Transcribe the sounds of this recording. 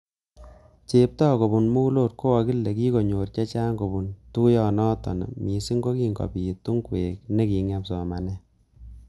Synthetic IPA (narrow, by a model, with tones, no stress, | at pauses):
t͡ʃe˨p̚tɔ˦ko˨bu˨nmu˦loː˦˨t̚ko˦a˨ki˦lːe˨ki˦ko˨ɲo˨rt͡ʃɛ˦t͡ʃa˦ŋɡo˨bu˨ntu˦jɔ˨nɔ˦tɔ̰˨nɔ̰˨mi˨si˦ŋɡo˦ki˨ŋɡɔ̰˨pi˨tu˦ŋkwe˨kne˦ki˨ŋɛ˨˦psɔ˨ma˨nɛ˦